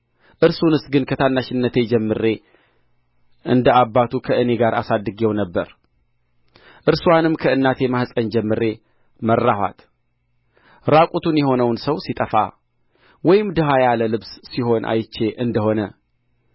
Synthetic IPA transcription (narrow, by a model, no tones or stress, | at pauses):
ʔɨɾsunɨsɡɨnkʰət̪ʰanːaʃɪnːət̪ʰe̞d͡ʒɛmːɨɾe̞ | ʔɨnd̪əabːat̪ʰukʰəʔɨne̞ɡaɾasad̪ːɨɡewnəbːəɾ | ʔɨɾswanɨmkʰəɨnːat̪ʰe̞mahsʼənd͡ʒɛmːɨɾe̞ | mərːahwa̰t̪ | ɾakʼut̪ʰunjɛɦo̞nəwnsəwsit̪ʼəfa̰ | wɔjɪmd̪əɦajaləlɨβsːiɦo̞nʔa̰jt͡ʃːe̞ʔɨnd̪əho̞nə